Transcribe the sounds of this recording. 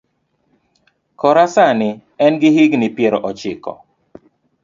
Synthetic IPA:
kɔɾasanɪ | ɛnɡɪɦɪɡnɪpjɛɾɔʔɔt͡ʃɪ̰kɔ̰

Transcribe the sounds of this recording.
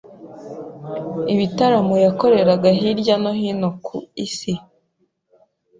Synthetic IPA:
iβitaɾamojako̞ɾe̞ɾaɡaɦiɾɟano̞ɦinokʰuisi

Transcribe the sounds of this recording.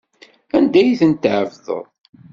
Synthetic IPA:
ænd̪æjiθənt̪ʕəvðə̰ðˤ

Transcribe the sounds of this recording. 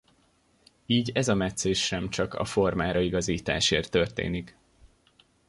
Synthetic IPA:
iːɟɛzɒmɛt̪seːʃʃɛmt͡ʃɒkɒ̰fo̞rmaːɾɒiɡɒziːt̪a̰ːʃeːrt̪ːørt̪ḛːnik

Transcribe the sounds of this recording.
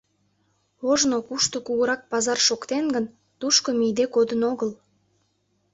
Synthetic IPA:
oʒnokuʃt̪okuɣəɾɑk̚pɑzɑrʃokt̪enɡən | t̪uʃkomijd̪ekod̪ənoɣəl

